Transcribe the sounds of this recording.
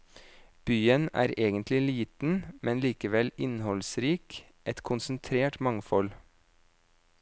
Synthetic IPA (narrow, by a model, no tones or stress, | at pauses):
b̥yːənæ̰ːɾeːɡənt̪lɪliːt̪n̩mʔɛnliːkəʋɛlɪnhɔlsɾiːk | ʔɛt̪kʰʊnsənt̪ʰɾeːʈmɑŋfɔl